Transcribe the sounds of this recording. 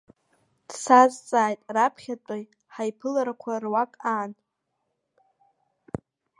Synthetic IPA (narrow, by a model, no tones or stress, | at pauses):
d̥sazt͡sʼaːjtʼrapʰχʲat͡pʷʼoj | ħajpʰɨlaɾakʷʰarwakʼaːn